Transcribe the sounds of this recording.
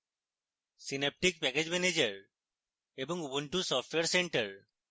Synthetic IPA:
sinep̚ʈik̚pɛked͡ʒmɛned͡ʒəɾ | ebɔŋubuɳʈusɔfʈweɾseɳʈəɾ

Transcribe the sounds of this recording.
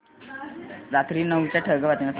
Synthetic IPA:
ɾat̪ɾiːnəʋt͡ɕjaʈʰəɡəʋat̪ĩʋat̪

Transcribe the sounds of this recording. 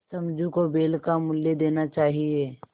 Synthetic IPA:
sɐmd͡ʒũkobeːlkamʊljed̪eːnat͡ʃaːɦieː

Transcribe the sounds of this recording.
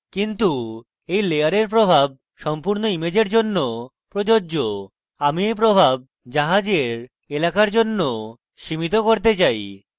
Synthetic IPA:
kint̪u | ejleaɾeɾp̬ɾobʱab̚ | ʃɔmpuɾnoimed͡ʑeɾd͡ʑonːo | pɾod͡ʑoːd͡ʑo | amiejp̬ɾobʱab̚ | d͡ʑaɦad͡ʑeɾ | elakaɾd͡ʑonːo | ʃimit̪okoɾt̪̬et͡ɕaj

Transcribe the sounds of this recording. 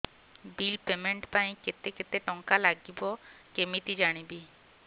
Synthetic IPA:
bilpemeɳʈpaj̃ket̪eket̪eʈɔŋkalaɡibokemit̪id͡ʑaɽ̃ibi

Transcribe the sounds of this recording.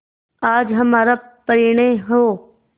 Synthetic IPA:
aːd͡ʒɦɐmaːɾapəɾiːɽ̃eɦoː

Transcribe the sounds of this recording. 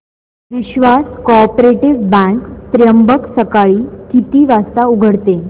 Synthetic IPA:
ʋiɕʋaskɔpɾeʈiʋbɛ̃ŋkt̪ɾjəmbəksəkaɭiːkit̪iːʋast̪auɡʱəɽt̪e

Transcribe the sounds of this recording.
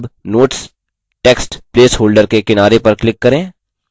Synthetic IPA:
bnoːʈs | ʈeːksʈpleːsɦoːlɖəɾkekɪnaːɾepɐɾklɪkːɐɾẽː

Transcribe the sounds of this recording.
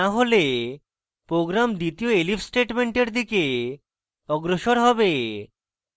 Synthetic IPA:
aɦole | pɾoɡɾamd̪it̪ioelifsʈeʈmeɳʈeɾd̪ʱike | ɔɡɾoʃoɾɦɔbe

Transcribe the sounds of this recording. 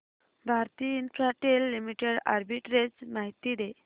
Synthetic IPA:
bʱaɾt̪iinfɾaʈelːimiʈeɽa̰ɾbiʈɾed͡zmaɦit̪id̪e

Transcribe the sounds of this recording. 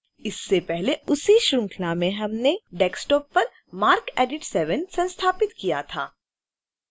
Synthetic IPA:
ɪsːepɛɦleʊsiʃɾʊ̃ŋkʰlamẽɦɐmneɖɛːksʈɔːpːɐɾ | maːɾkɛːɖɪʈsɛːʋənsɐ̃nst̪ʰaːpɪt̪kijat̪ʰa̰ː

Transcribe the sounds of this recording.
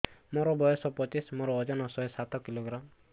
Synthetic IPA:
mɔɾɔbɔjɔsɔpɔt͡ʃismɔɾɔːd͡ʒɔnɔsɔesat̪ɔkiloɡɾam

